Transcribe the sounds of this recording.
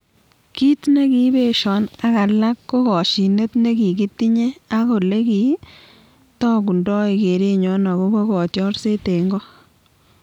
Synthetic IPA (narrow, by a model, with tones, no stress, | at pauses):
ki˦tne˦ki˦be˦ʃɔ˨˦na˦ka˨la˦kːo˦kɔ˨ʃi˨ne˦tne˦ki˨ki˦ti˦ɲe˦a˦ko˨le˦ki˨ | tɔː˦ku˨ndɔ˦i˨ke˨ɾe˦ɲɔ˨˦na˨ko˦bo˦kɔ˨tjɔ˦ɾse˦te˨ŋɡɔ˦